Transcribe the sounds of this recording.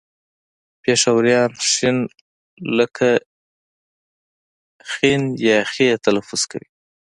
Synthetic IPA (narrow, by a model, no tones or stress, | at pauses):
peʂawaɾjɑnʃin | ləkʰa | xinjɑxet̪alafʊz̥ka̰wi